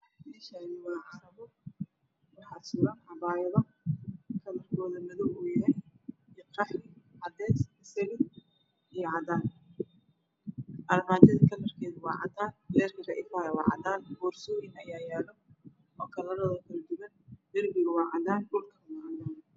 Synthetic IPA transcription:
iʃaːɣɪwɑːʕɑɾɐβɔ | wɑħɑsʊɾɐnʕɑbaːjɐðɐ | kʰɐlɐrkʰɔːðɐmɐðɔwʊːjɐɦɛjjqɑħrɪʕɑd̪ɛːsɪsɐɣɪ | ijɔʕɑd̪aːn | ʔɐlmaːt͡ʃ̪ɐðiːkʰɐlɐrkʰɛːðʊwɑ̰ːʕɑ̰d̪aːnbɛːrkʰɐrɐʔɪ̰faːɾɐwɑ̰ːʕɑ̰d̪aːnbɔːrsɔːjɪnɐjaːjɛːlɔ | ɔːkʰɐlɐɾɔːðɐkʰɐlɐd̪ʊɣɐnd̪ɐrbɪɣʊwɑːʕɑd̪aːnɖʊlkʰɐwaðaːn

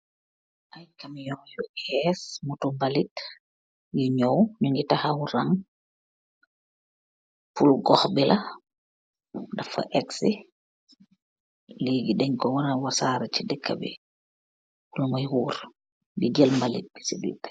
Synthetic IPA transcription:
ʔajkamjɔjɔʔɛsmutumbalit | jiɲɔwnuŋɡitahawuɾaŋ | pulɡɔxbilʔa | dafa̰ʔɛksi | liːɡiɗɛŋkɔwaɾawasaɾat͡ʃidɛkːa̰bḭ | wulmajwuːɾ | ɡid͡ʒɛlmbalit̚bi̥sidḭtː

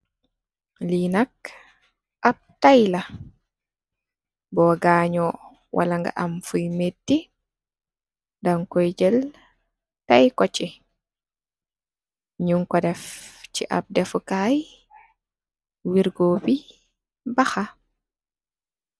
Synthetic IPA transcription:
linak | ʔap̚tajla | bɔɡaːɲɔ | wʔa̰laŋɡa̰ʔamfujmetːi | daŋkɔjd͡ʒɛl | tajkɔt͡ʃi | ɲuŋkɔdɛft͡ʃiʔa̰p̚dɛfkaj | wiɾɡobi | baxa

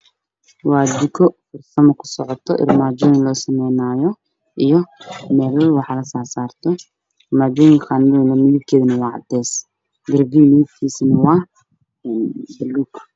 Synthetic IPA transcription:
wɑːd̪ɪkʰɔfʊrsɐmɐkʰʊ̥sɔʕɔt̪ʰɔʔɪ̰rmaːd͡ʒɔːjɪnlɔːsɐmɛjnaːjɔ | ʔijɔmɛːlɔwɑħɑlɐsaːrsaːrt̪ʰɔ | maːd͡ʒɔːjɪŋxannɐmɪjibkʰɛːðɐnɐwɑːʕɑ̰d̪ɛːs | ɡɪrbiːmɪjib̪kʰiːsinɐwɑː | ɛnbɐlːuːk

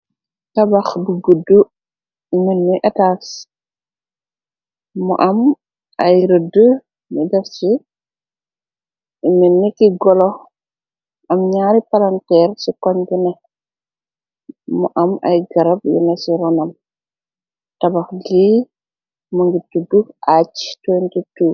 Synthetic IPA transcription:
tabaxbəɡudu | iminmujʔataːs | mɔ̰ʔɐm | ɐjɾədə | midɛfsi | iminːikːiɡɔlɔ | ʔamɲaːɾipalantɛɾsikɔɲɡina | mɔ̰ʔama̰jɡaɾabjɛ̰nasiɾɔnam | tabaxɡi | mɔŋɡitːuduhat͡ʃtwɛntitu

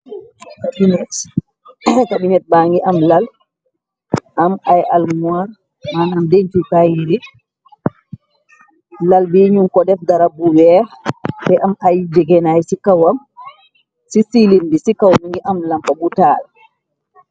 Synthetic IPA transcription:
kabinɛt | kabinɛt̚baŋɡiʔamlal | ʔamajʔalmuaɾ | manamdeɲtikajiɾi | lalbiɲumkɔdɛfdaɾabuwɛ | bɛʔamajd͡ʒɛɡɛnajsikawam | sisilindisikawmaŋɡiʔamlambabutaːl

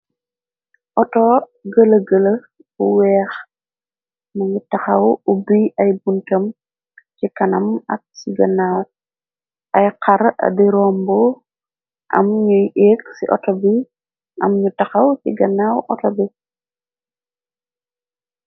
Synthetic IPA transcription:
ʔɔtɔ | ɡələɡələ | buwɛːx | mɐɲutɐxɐwubiʔɐjbuntɐm | cikɐnɐmɐ̰k̚siɡɐna | ʔɐjqʰaɾɐ̰diɾɔmbɔ | ʔɐ̰mɲujeksḭʔɔ̰tɔbi | ʔɐ̰mɲutɐxɐwcḭɡɐnawʔɔtɔbi

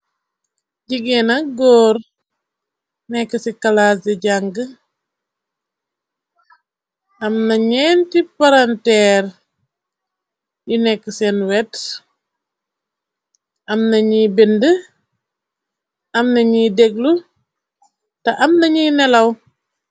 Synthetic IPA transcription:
ɟiɡɛnɐɡɔːɾ | nɛkːəsikɐlaːs̬ɛɟaŋɡə | ʔɐmnɐɲɛntipaɾantɛːɾ | junɛkːəsɛnwɛt | ɐmnɐɲibendə | ɐmnɐɲiːdɛɡlu | tɐʔɐmnɐɲiːnɛlɐw

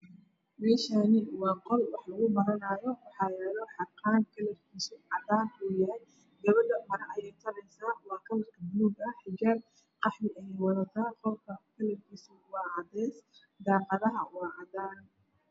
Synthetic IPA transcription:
mɛːʃaːnɪwɑːqɔlwɑħlɐɣʊbɐɾɐnaːjɔwɑħɑːljjɾaːðɔħɑqɑːnkʰɐlɐrkʰisɔʕɑðaːwɛːjaːn | d̪ɐβɐd̪ɐmɐɾɐʔɐjɛjt̪ʰɔɾɛjsaːwɑːkʰɐmɐrkʰɐbuːd̪ɐħɪɡɐl | qɑħmɪʔɐjɛjwɐðɐt̪ʰaːqɔlkʰɐkʰɐlɛrkʰisɔwɑːɑðɛːs | d̪aːqɑðɐɦɐwɑːʔɑðaːn

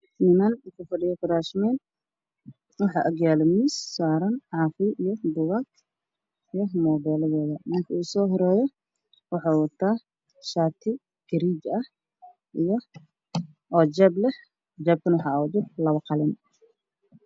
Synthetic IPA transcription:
iːmɐnukʰʊfɐɖɪjɐkʊɾaʃmɛn | wɑħɑ̰ʔɐɡjaːlɐmisːaːɾɐnʕɑːfɪʔijɔb̪ʊwak | ijɔmɔːbɛːlɐðɛːðɐmɪŋkʰɐuːsɔːɦɔɾɛːjɔ | wɑħɑwɐt̪ʰaː | ʃaːt̪ʰɪ | ɡ̥ɐɾiːd͡ʒɐh | ʔijɔ | ʔɔːd͡ʒɛːblɛh | d͡ʒɛːb̚kʰɐnwɑħɑwd͡ʒɪrlɐβɐqɑlɪn

